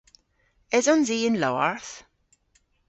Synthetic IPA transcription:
ɪzɔnziːɪ̃nlɔə̰ɹθ

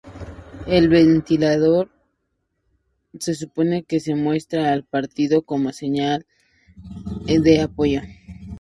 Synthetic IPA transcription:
e̞lβe̞nt̪ilaðo̞ɾ | se̞s̬upo̞ne̞ke̞se̞mwe̞st̪ɾaːlpaɾt̪iðo̞komose̞ɲal | d̪e̞apoʝo̞

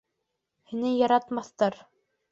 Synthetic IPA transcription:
hinɘjɑɾɑt̪mɑθt̪ɑɾ

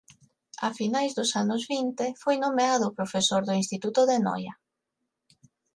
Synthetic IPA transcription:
a̰finajzðʊsanʊzβint̪efojnomeaðʊpɾofesoɾðʊinst̪it̪ut̪ʊðenɔ̰jɐ

